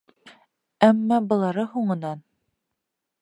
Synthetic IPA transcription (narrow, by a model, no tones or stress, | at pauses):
æmːɑbɤ̆lˠɑɾɤhuɴɤ̆nɑn